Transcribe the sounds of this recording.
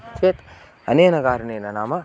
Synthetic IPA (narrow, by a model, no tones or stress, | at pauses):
t͡ʃʰet̪ | ɐ̰nenɐɡaːɾneːnɐnaːmɐ